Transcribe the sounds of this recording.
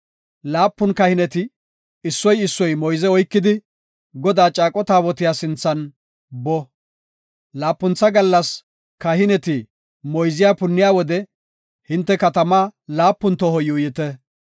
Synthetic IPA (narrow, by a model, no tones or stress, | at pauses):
laːpːʊnkɐhɪnɛt̪ɪ | ɪsːɔjɪsːɔjmɔjzɛɔjkːɪd̪ɪ | ɡɔd̪aːt͡ʃʼaːkʼɔt̪aːwɔt̪ɪjaːsɪnt͡sːɐn | bɔ | laːpːʊnt͡sːɐɡɐlːɐs | kɐhɪnɛt̪ɪ | mɔjzɪjaːpʊnːɪjaːwɔd̪ɛ | hɪnt̪ːɛkɐt̪ɐmaːlaːpːʊnt̪ɔɦɔjuːjɪt̪ɛ